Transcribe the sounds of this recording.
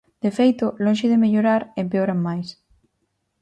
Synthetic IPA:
d̪efejt̪olonʃeðemeʎoɾaɾempeoɾamajs

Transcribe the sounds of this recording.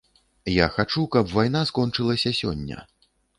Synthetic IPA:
jaxat͡ʂukɐpvajnaskɔnt͡ʂɨlˠɐsʲɐsʲɔ̰nʲːɐ̰

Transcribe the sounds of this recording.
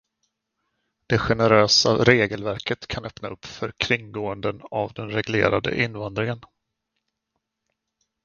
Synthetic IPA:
d̪̥ɛɧɛnəɾøːsa̰ɾeːɡəlvæɾkət̪kʰanœpnaɵpːfœɾkʰɾɪŋɡoːənd̪ənavd̪ɛnɾɛɡlḛːɾad̪ə̰ʔɪnːvand̪ɾɪŋən

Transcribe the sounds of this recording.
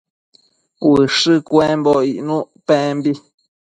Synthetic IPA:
wɨʂɨkɛ̃mbɔiʔnũʔpɛ̃mbi

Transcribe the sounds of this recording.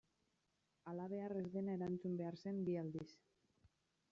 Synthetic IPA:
alaβe̞are̞zðe̞nae̞ɾant͡sumbe̞aɾse̞mbiald̪is

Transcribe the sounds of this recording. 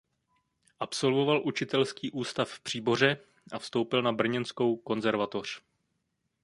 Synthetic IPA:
ʔapso̞lvo̞valʔut͡ʃɪt̪ɛlskiːʔuːst̪affpr̥iːbo̞r̝ɛ | ʔafst̪o̞wpɪlnabr̩ɲɛnsko̞wko̞nzɛɾvat̪o̞r̝̥

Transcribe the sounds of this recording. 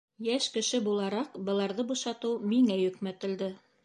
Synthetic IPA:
jæʃkɘ̆ʃɘbulˠɑɾɑqbɤ̆lˠɑɾðɤbuʃɑt̪ɤwmiŋæjɵ̆kmæt̪ɘ̆ld̪ɘ

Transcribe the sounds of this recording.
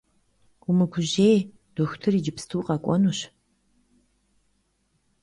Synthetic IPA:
ɡ̥ʷʊmɨɡʷʊʑej | d̥oxʷtʰɨrid͡ʒɪpstʰuːqɐkʷʼɔnuɕ

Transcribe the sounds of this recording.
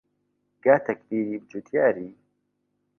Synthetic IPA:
ɡ̥aːt̪ʰɐkbiːɾiːbd͡ʒut̪jaːɾiː

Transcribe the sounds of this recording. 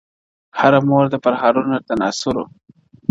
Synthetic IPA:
haɾamoɾd̪apaɾhaːɾunat̪ana̰sʊɾo̰

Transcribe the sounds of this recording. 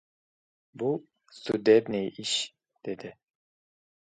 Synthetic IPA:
bu | st̪ud̪ed̪niʔiʃ | d̪̥ed̪ɪ

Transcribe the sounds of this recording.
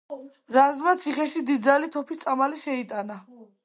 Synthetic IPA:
ɾazmat̪sʰiχɛʃid̪id̪zalit̪ʰɔpʰit̪sʼamaliʃɛit̪ʼana

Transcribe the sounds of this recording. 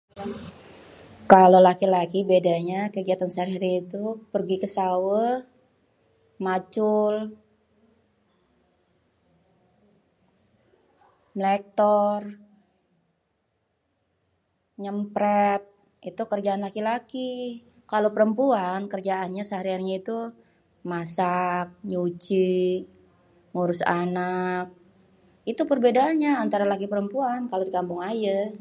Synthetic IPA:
kalolakilakibedaɲakəɡiat̪ansaɾiɾiːt̪upərɡikəsawə | mat͡ʃul | mlɛk̚t̪ɔr | ɲəmpɾɛt̪̚ | it̪ukərd͡ʒaːnlakilaki | kalopəɾəmpuankərd͡ʒaanɲasəɦaɾianɲait̪u | masak̚ɲut͡ʃi | ŋuɾʊsanak̚ | it̪upərbedaːnɲaːnt̪aɾalakipəɾəmpuankalodikambʊŋaja

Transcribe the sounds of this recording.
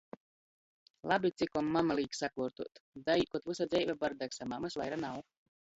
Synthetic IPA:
lˠabit̪sikɔmːamalˠiːksakuːɾt̪uɔt̪d̪ajkɔt̪vusad̪zʲɛjvʲabaɾd̪aksamamɨsva̰jɾanaw

